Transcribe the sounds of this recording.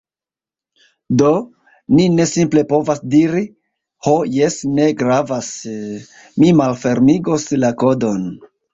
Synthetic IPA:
do | nine̞simple̞po̞vasdiɾi | ho̞je̞sne̞ɡɾavas | mimalfe̞ɾmiɡo̞slako̞do̞n

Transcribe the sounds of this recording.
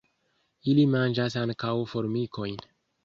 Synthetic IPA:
ilimand͡ʒas̬aŋkawfo̞ɾmiko̞jn

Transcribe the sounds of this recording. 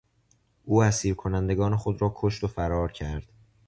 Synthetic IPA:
ʔuːæsiːɾkʰo̞nænd̪e̞ɡɒːne̞xo̞d̪ɾɒːkʰo̞ʃt̪o̞fæɾɒːɾcʰæɾd̪̥

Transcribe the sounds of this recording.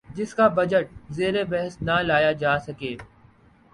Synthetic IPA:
d͡ʒɪskabɐd͡ʒəʈ̚zeːɾebɛɦəsnalaːjad͡ʒaːsɐkeː

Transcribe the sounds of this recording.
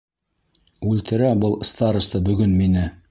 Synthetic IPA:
ʉlt̪ɘ̆ɾæbɤlˠst̪ɑɾŭst̪ɤbɵ̆ɡɵnminɘ

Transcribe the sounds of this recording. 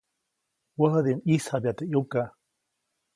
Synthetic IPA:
wəɦəðinʔisabjat̪eʔjuka

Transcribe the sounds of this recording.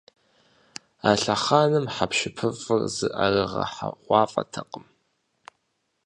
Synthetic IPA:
aːɬɐχaːnɨmħapʃɪpʰɨfʼɨrzɨʔarɨʁɐ̰ħa̰ʁʷɑːfʼɐ̰tʰɐqʼəm

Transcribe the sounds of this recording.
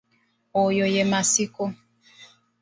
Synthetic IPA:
ojojemasiko

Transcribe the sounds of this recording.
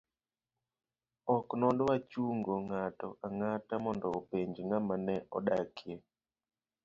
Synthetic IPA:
ɔknɔndɔwat͡ʃuŋɡoŋatɔ̰ʔaŋatamɔndɔopeɲd͡ʒŋamanɛʔɔ̰ɗakʰje

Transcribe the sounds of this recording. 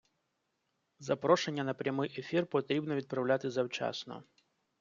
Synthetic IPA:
zapɾɔʂɛnʲːɐnɐpɾʲamɨjʔɛfʲirpɔt̪ɾʲibnɔvʲit̪̚pɾɐwlʲat̪ɨzɐwt͡ʃa̰snɔ̰

